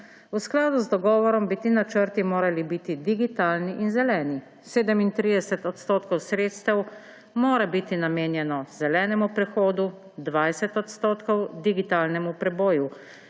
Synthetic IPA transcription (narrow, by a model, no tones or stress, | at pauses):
usklaːd̪uzd̪ɔɡɔːʋɔɾɔmbit̪iːnat͡ʃəɾt̪imoːɾalibit̪id̪iɡit̪aːlniʔinzɛlɛːni | seːd̪ɛmint̪ɾiːd̪ɛsɛt̪ɔt̪st̪oːt̪kɔwsɾeːt̪st̪ɛw | moːɾabit̪inameːnjɛnɔzɛlɛːnɛmupɾɛxoːd̪u | d̪ʋajsɛt̪ɔt̪st̪oːt̪kɔwd̪iɡit̪aːlnɛmupɾɛboːju